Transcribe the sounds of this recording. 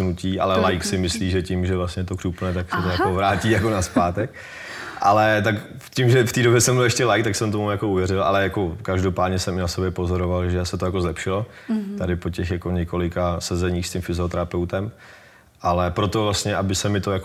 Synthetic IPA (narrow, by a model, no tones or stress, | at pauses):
nuciːʔa̰lɛlajksɪmɪsliːʒɛcɪmʒɛvlastɲɛt̪o̞krupnɛt̪aksɛt̪ojakovɾaːciːjakonaspaːt̪ɛk | ʔalɛt̪ak | cɪmʒɛft̪iːdobjɛsɛmbɪlɛʃcɛlajkt̪aksɛmt̪̬omujakouvjɛɾɪlʔa̰lɛjakokaʒdo̞paːd̪ɲɛsɛmɪnasobjɛpozo̞ɾovalʒɛsɛt̪o̞jakozlɛpʃɪlo | t̪adɪpo̞cɛxjako̞ɲɛko̞lɪkasɛzɛɲiːxscɪmfɪzot̪ɛɾapɛwt̪ɛm | ʔalɛpɾo̞t̪o̞vlast̪ɲɛʔabɪsɛmɪt̪ojako